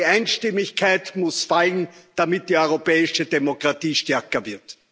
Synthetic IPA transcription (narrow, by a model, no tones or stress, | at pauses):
æɪnʃtɪmɪçkʰæɪtmʊsfaln̩d̥amɪt̚d̥iːɔʏʁopɛːɪʃədemokʁ̥atiːʃtɛɐkɐvɪɐt